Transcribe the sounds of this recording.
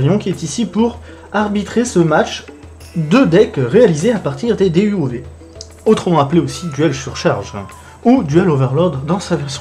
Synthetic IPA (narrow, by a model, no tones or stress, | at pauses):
jɔ̃kʲiɛt̪isipuʁ | aʁbit̪χesəmat͡ʃ | d̪ød̪ɛkʁealizeapaʁt̪iʁd̪ed̪eyove | ot̪χəmɑ̃apleosid̪yɛlsyʁʃaʁʒ | ud̪yɛlovɛʁlɔʁd̪ːɑ̃savɛʁs